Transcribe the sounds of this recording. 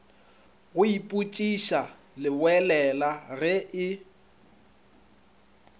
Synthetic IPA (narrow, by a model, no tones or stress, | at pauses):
ɣʊipʼut͡ʃʼiʃa | lɪwɛlɛlarɪʔɪ